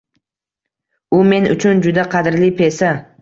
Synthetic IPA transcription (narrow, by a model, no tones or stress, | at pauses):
ʊme̞nʊ̰t͡ʃʰʊnd͡ʒʊd̪aqʰɑd̪ɪɾlipʰe̞sa